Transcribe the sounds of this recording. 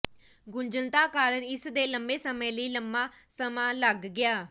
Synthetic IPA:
ɡʊnd͡ʒəlt̪aːkaːɾəɳɪsd̪eːləmbeːsəmẽːləiːləmbaː | səmãːləɡːɪjaː

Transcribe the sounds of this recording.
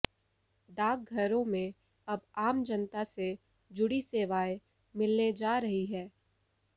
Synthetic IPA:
d̪aːɡ̚ɡʱɐɾõmẽ | ɐbaːmd͡ʒɐnt̪ase | d͡ʒʊɽiseːʋaːe | mɪlned͡ʒaːɾɐɦiɦɛː

